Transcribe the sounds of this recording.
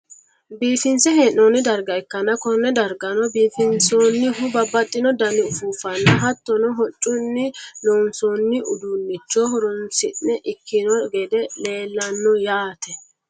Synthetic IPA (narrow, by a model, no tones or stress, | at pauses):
biːfɪnsɛheːnoːnɪd̪ɐɾɡɐɛkːɐnɐkɔnːɛd̪ɐɾɡɐnɔbiːfɪnsoːnːɪɦʊbɐbːɐt̪ʼːɪnɔd̪ɐnɪʊfuːfɐnːɐɦɐt̪ːɔnɔɦɔt͡ʃʼːʊnːɪnoːnsoːnːɪʔʊd̪ʊnːɪt͡ʃːɔhɔɾʊnsɪnːɛʔɪkʰːɪnɔɡɛd̪ɛle̞ːlːɐnːɔjaːt̪ɛ